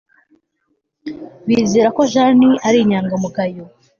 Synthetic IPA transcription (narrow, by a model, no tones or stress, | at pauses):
βiːzeːɾako̞ʒaniʔaɾiɲaːŋɡamuɡajo